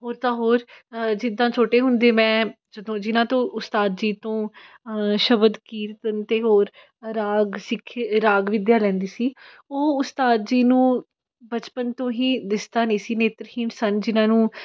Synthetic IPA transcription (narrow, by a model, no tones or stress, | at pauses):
ɦoːɾt̪ãːɦoːɾd͡ʒɪd̪ãːt͡ʃʰoːʈeːɦʊnd̪eːmɛ̃ː | d͡ʒəd̪õːd͡ʒɪnãːt̪õːʔʊst̪aːd̪d͡ʒiːt̪õː | ʃəbəd̪kiːɾt̪ənt̪eːɦoːɾ | ɾaːɡsɪkʰɾaːɡʋɪd̪jaːlɛ̃ːnd̪iːsiː | oːʊst̪aːd̪d͡ʒiːnũː | bət͡ʃpənt̪õːɦiːd̪ɪsd̪aːnẽːsiːneːt̪ɾhiːɳsənd͡ʒɪnãːnũː